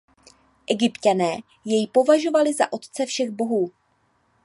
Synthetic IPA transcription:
ʔɛɡɪpcanɛː | jɛjpo̞vaʒo̞valɪza̰ʔo̞t̪t͡sɛfʃɛɣbo̞ɦuː

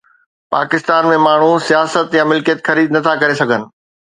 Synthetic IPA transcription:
pa̰ːkɪst̪aːnmẽmaːɳ̤usijaːsət̪jãmɪlkijət̪xɐɾiːd̪nɐt̪ʰakɐɾesɐɡʱənɪ̆

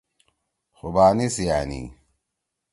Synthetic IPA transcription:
xubaːnisijaːnḭ

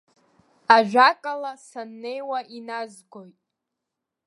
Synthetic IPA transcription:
aʒʷᶣakʼalasanːe̞jwaʔinazɡojtʼ

